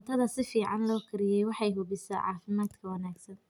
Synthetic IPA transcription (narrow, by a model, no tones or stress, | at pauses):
t̪ʰɐðɐsɪfiːʕɑnlɔːkʰɪɾɪjɛjwɑħɑjɦʊβɪsɛ̰ʕɑ̰ːfɪmaːd̪kʰɐwɑnaːɡsɐn